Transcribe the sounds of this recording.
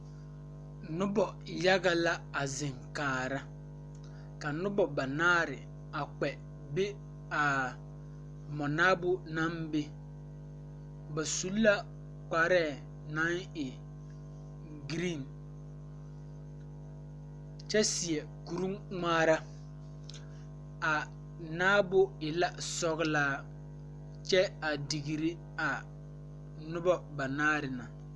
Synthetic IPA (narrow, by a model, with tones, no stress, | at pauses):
nʊ˦bɔ˨ | ja˦ɣa˦la˦a˨zɪ˨ŋkaː˨ɾa˦ | ka˨nʊ˦bɔ˨ba˨naː˦ɾɪ˨ | a˨k͡pɛ˨ | be˦ | a˨ | mɔ˨naː˦bʊ˦na˦mbe˦ | ba˨su˦lːa˦ | k͡pa˨ɾɛː˦˨ | nã˦ŋɪ˨ | ɡɾi˦˨n | t͡ʃɛ˦sɪ˨ɛ˨ | ku˨ɾu˦ŋŋaː˦ɾa˦ | a˨ | naː˦bʊ˦ɪ˨la˦sɔ˦ɣlaː˦ | t͡ʃɛ˦a˨di˨ɣi˨ɾi˦ | a˨ | nʊ˦bɔ˦ba˨naː˦ɾɪ˨na˨